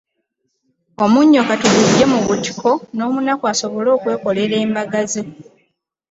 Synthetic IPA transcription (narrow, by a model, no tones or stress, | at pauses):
o̞muɲːokatuβide̞muβuti̥kʰo̞no̞ːmunakwaso̞βo̞lo̞ːkwe̞ːko̞le̞ɾe̞ːmbaɡazi